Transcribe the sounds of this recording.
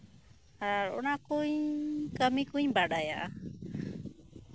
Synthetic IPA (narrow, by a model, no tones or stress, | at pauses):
aaɺɔ̰nakuɲkamĩkuɲbaɗaja̰ʔa